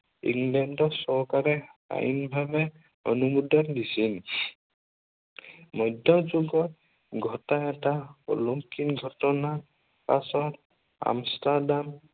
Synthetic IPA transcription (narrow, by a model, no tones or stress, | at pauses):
ḭŋlɛndɔsɔɦkaɾɛa̰jinbʱabɛ | ɔ̰numud̪ʱɔndisin | mɔjd̪ʱjɔd͡ʒuɡɔt̚ | ɡʱɔtaɛtaɔ̰loŋkinɡʱɔtɔna | pasɔt | a̰mstadam